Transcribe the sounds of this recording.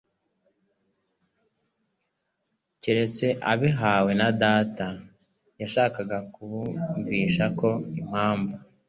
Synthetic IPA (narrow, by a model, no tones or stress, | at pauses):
ciɾe̞t͡se̞ʔaβiɦaːwe̞nadaːta | jaʃaːkaɡakuβuɱviːʃako̞im̥haːɱva